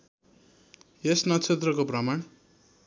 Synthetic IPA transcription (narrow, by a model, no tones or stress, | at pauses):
jesnʌt͡sʰet̪rʌkoprʌmaɳ